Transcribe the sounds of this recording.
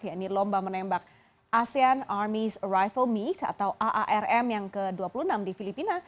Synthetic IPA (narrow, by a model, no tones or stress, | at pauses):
jainilɔmbamənembak̚ | asianarmisrajfəlmit̪a̰t̪awʔaʔaʔɛrɛmjaŋkəduapulunamdifilipina